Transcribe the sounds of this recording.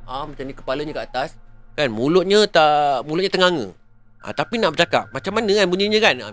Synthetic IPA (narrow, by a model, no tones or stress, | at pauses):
amat͡ʃamɲəkə̥paləɲə̃kəat̪askanmulʊʔ̪̚ɲət̪amulʊt̪̚ɲət̪əŋaŋə̰ | ʔa̰t̪apinaʔbərt͡ʃaka̰p̚mat͡ʃamːanə̃kanbuniɲə̃kana̰